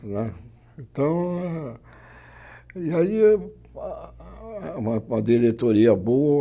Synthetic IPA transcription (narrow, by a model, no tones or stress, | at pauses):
nɛ̃ | ẽt̪ɐ̃w̃ | iai | ũmɐ̃mɐd̪iɾet̪oɾiɐboɐ